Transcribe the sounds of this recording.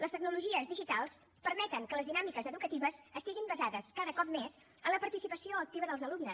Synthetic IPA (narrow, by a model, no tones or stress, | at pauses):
ləst̪əɡ̚nuluʒiəzðiʒit̪alˠs | pəɾmɛt̪əŋkələzðinamikəzəðukət̪iβəzəst̪iɣimbəzaðəskaðəkɔp̚mez | ənləpəɾt̪isipəsioək̚t̪iβəðəlˠzəlubnəs